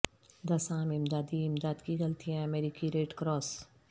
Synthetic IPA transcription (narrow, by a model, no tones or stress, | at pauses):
d̪ɐsãːmɪmd̪aːd̪iɪmd̪aːd̪kiɣɐlt̪ijãɐmeːɾiːkiɾeːʈkɾɔːs